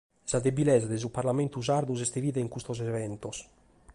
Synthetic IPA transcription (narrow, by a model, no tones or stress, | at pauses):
sad̪ebilɛːzad̪ezupaɾlament̪uzaɾd̪uzɛst̪eviːðeiŋkust̪ɔz̬ɛvɛnt̪os